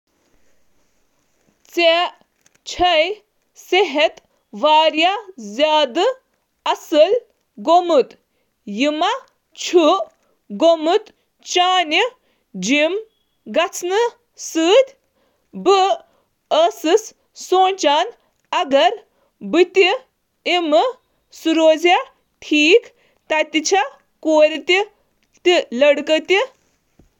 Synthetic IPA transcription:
t͡se | t͡ʃʰɐj | seɦet̪ | ʋaːɾjazʲaːd̪ɨ | ɐsɨl | ɡomɨt̪ | jɨma | t͡ʃʰu | ɡomɨt̪ | t͡ʃaːni | d͡ʒim | ɡɐt͡sʰnɨ | sɨːd̪ʲ | bɨ | əsɨs | soːnt͡ʃaːn | ɐɡɐɾ | bɨt̪i | imɨ | suɾoːza | ʈʰiːk | t̪at̪it͡ʃʰa | koːɾit̪i | t̪ilɐɽkət̪i

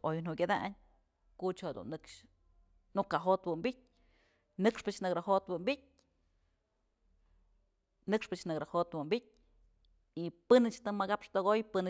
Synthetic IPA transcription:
ojn̥hukʲad̪aʔɲ | kut͡ʃoad̪ṵnːɨkʂ | nukaɦot̪wɨmbʲit̚ʲ | nɨkʂpɨt͡ʃnɨkɾahot̪wɨmbʲit̚ʲ | nɨkʂpɨt͡ʃnɨɡɾahot̪wɨmbʲit̚ʲ | ipɨnɨt͡ʃt̪ɨmaɡapʂt̪ɨɣojpɨnɨ

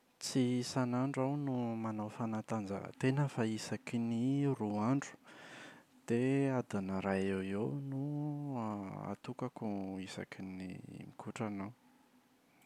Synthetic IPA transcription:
t͡sisanaɳɖ͡ʐawnumanawfanat̪and͡zə̰t̪enəfaisakiniruaɳɖ͡ʐu̥ | d̪̥ead̪anəɾajewewnu | a̰t̪ukakuisa̰kinḭmikʰuʈ͡ʂanaw

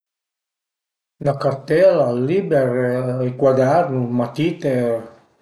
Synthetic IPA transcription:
nakaɾt̪ɛlalibɛɾikwad̪ɛɾnumat̪it̪e

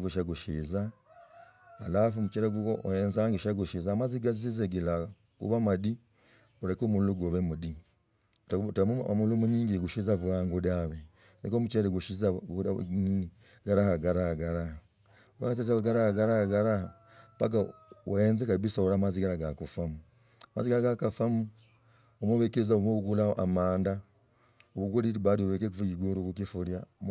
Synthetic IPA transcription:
βuʃaɡuʃḭza | alafumut͡ʃeɾeɡuoojenzaːŋɡeʃaɡuʃizaːmaziɡazizeɡila | kṵβamadi | ulekomuuluɡoβemudi | ttmmulumuniːŋɡiɡuʃizaβuaŋɡodaβe | lekomut͡ʃeɾeɡuʃizanini | ɡaɾahaɡaɾahɡaɾaha | a̰kat̬ezaɡaɾahaɡaɾahaɡaɾaha | paɡa | eːnzekabisauɾamaziɡaɾaɡakufamu | amaziɡaɾaɡakafamu | omuβekeɾizaumoβuɡulaʔa̰maːnda | oβuɡuliɾiβaɾioβekekufukiɡoɾokukifuɾja

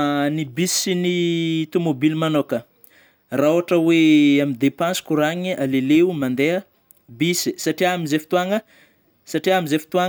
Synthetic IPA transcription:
nibisinit̪umobilmanokə | raoaʈ͡ʂəweamid̪epãnsi̥kuɾaɲialeleumand̪eə | bisi̥saʈ͡ʂiamizefi̥t̪uaŋə | saʈ͡ʂiamizefi̥t̪ua

